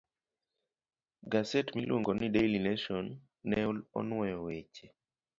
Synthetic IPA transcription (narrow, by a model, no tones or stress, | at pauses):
ɡasɛtmilwoŋɡonidejlinaʃɔnː | ɛulɔ̰nwɔjɔwet͡ʃe